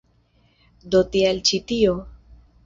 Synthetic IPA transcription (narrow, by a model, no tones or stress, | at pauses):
d̪ot̪ijalt͡ɕʰit̪ijo